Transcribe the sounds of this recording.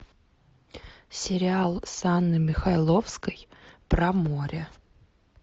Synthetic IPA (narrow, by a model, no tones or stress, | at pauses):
sʲɪɾʲɪalˠsanːɨmʲɪxɐlˠofskəjpɾɐmoɾʲə